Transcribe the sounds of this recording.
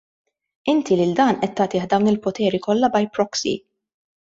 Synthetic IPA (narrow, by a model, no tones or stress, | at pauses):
ɪnt̪ʰilɪld̪ɐːnʔɛt̪ːɐːt̪ɪːħd̪ɐwnɪlpɔt̪ɛːɾikɔlːɐbɐjpɾɔksḭ